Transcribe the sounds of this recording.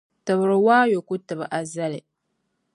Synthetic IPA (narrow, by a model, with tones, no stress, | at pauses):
tɨ˨bɾɨ˨waː˦jo˨ku˦tɨ˨bɨ˨ʔa˨za˦lɪ˨